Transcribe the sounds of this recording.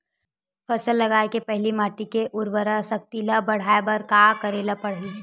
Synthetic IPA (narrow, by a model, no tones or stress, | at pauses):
fɐsəlːɐɡaːekepɛɦlimaːʈikeʔʊɾbəɾasɐk̚t̪ilabɐɽ̤aːebɐɾkaːkəɾeːlapɐɽ̤e